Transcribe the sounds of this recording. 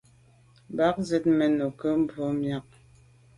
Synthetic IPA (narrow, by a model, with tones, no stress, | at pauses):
ba˦k̚ze˦t̚mɛ˨no˨kə˦m̩˦bo˦mja˨˦k̚